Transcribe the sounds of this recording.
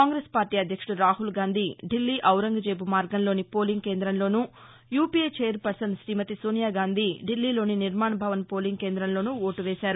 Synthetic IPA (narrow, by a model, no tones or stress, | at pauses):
kaːŋɡɾeːspaːɾʈiːɐd̪ʱjɐkʂɐɽuɾaːɦulɡaːnd̪ʱiːɖilːiːʔɐwɾɐŋɡɐd͡ʒeːbumaːɾɡɐnlo̞ːnipoːliŋɡke̞ːnd̪ɾɐmlo̞ːnu | juːpiːeːt͡ʃeːjɐɾpɐɾsɐnʃɾiːmɐt̪isoːnjaːɡaːnd̪ʱiːɖilːiːloːniniɾmaːɳɐbʱɐʋɐnpo̞ːliŋɡkeːnd̪ɾɐnlo̞ːnuoːʈuʋeːsaːɾu